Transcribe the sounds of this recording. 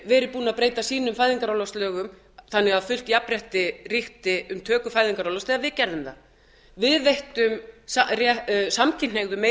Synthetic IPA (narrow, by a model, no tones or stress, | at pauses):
vɛːɾɪpuːnaðpɾeːjt̪asiːnʏmfajðiŋkaɾawlɔst̪lœːɣʏm | θanːɛɣaðfʏl̥t̪japɾjɛht̪ɪrɪht̪ɪʏmt̪ʰœːkʏfaːjðiŋkaɾalɔst̪ɛːɣavɪðcɛɾðʏmθa | vɪðvejht̪ʏmsarjɛsamcʰɪnnːeɣðʏmːe